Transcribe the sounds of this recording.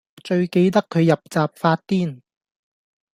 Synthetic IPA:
t͡ʃɵ˧ɥke˧jt̪ɐ˥kʰːɵ˨˧ɥjɐ˨p̚t͡saː˨p̚faː˧t̚t̪iː˥˩n

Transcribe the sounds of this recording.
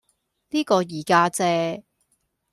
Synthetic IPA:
niː˥kɔː˧jiː˨˩kaː˧˥t͡sɛː˧

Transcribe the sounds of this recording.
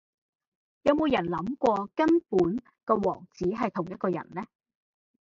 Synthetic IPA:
jɐ˨˧wmo˨˧wjɐ˨˩nlɐ˨˥mkʷɔː˧kɐ˥npuː˨˥n | kɔ˧wɔː˨˩ŋt͡siː˨˥ɦɐ˨jt̪ʰʊ˨˩ŋjɐ˥t̚kɔː˧jɐ̰˨˩nlɛː˥

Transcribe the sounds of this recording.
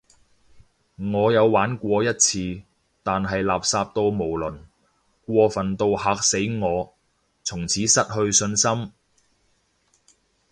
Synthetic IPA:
ŋɔː˨˧jɐ˨˧wwaː˨˥nkʷɔː˧jɐ˥t̚t͡sʰiː˧ | t̪aː˨nɦɐ˨jlaː˨p̚saː˧p̚t̪o˧wmo˨˩wlɵ˨˩n | kʷɔː˧fɐ˨˩nt̪o˧whaː˧k̚se˨˥jŋɔː˨˧ | t͡sʰʊ˨˩ŋt͡sʰiː˨˥sɐ˥t̚hɵ˧ɥsɵ˧nsɐ˥m

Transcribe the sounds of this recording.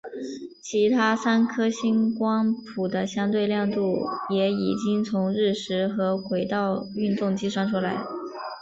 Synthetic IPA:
t͡ɕʰi˧˥t̪ʰa˥sa˥nkʰɤ˥ɕi˥nkwɑ˥ŋpʰu˨˩d̪ə˦ɕjɑ˥ŋt̪we˥˧ɪljɑ˥˧ŋt̪u˥˩jɛ˧˥ḭ˨˩t͡ɕi˥ŋt͡sʰʊ˧˥ŋɻɻ̩˥˩ʂɻ̩˧˥xɤ˧˥xwe˧˥ɪt̪ɑ˥˧ʊy˥˧nt̪ʊ˥˩ŋt͡ɕi˥ʂwa˥nʈ͡ʂʰu˥la˧˥ɪ

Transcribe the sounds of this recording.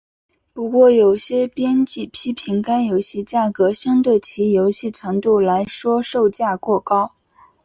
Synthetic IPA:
pu˧˥kwɔ˥˩jo˨˩ʊɕjɛ˥pjɛ˥nt͡ɕi˥˩pʰi˥pʰi˧˥ŋka˥njo˧˥ʊɕi˥˧t͡ɕja˥˩kɤ˧˥ɕjɑ˥ŋt̪we˥˩ɪt͡ɕʰi˧˥jo˧˥ʊɕi˥˩ʈ͡ʂʰɤ˧˥ŋt̪u˥˩la˧˥ɪʂwɔ˥ʂo˥˧ʊt͡ɕja˥˧kwɔ˥˩kɑ˥ʊ

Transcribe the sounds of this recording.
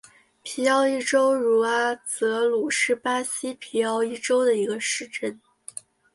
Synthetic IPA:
pʰi˧˥ɑ˥˧ʊi˥˩ʈ͡ʂo˥ʊɻu˨˩a˥t͡sɤ˧˥lu˨˩ʂɻ̩˥˩pa˥ɕi˥pʰi˧˥ɑ˥˧ʊi˥˩ʈ͡ʂo˥ʊd̪ə˨i˧˥ɡə˧ʂɻ̩˥˧ʈ͡ʂə˥˩n

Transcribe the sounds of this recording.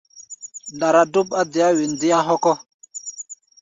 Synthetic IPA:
nda˨ɾa˨du˦pa˦di˨ja˦wi˨n˨di˦ja˦ɦo˦kɔ˦

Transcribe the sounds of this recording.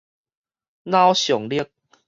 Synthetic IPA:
nã˦wɕjɔ˨˩ŋliə˦k̚

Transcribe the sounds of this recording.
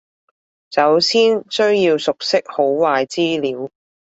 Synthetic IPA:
t͡sɐ˨˥wsiː˥nsɵ˥ɥjiː˧wsʊ˨k̚sɪ˥k̚ho˨˥wwaː˨jt͡siː˥liː˨˥w

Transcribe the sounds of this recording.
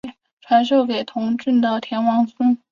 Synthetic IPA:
ʈ͡ʂʰwa˧˥nʂo˥˩ʊke˨˩ɪt̪ʰʊ˧˥ŋʈ͡ʂə˥˩nd̪ə˨˩t̪ʰjɛ˧˥nwɑ˧˥ŋsə˥n

